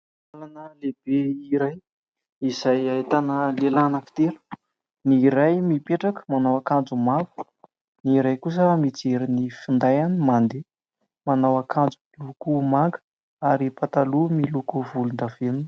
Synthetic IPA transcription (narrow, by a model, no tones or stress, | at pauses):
alanəleb̥eiɾaj | izajait̪anəlelanəfi̥t̪eɾu̥ | niɾajmipeʈ͡ʂakə̥manawakand͡zumaɡu̥ | niɾajkus̬əmit͡seɾinifind̪ajanimand̪e | manawakʰand͡zuilukumaŋɡə̥ | aɾipat̪alumilukuvulund̪av̥enin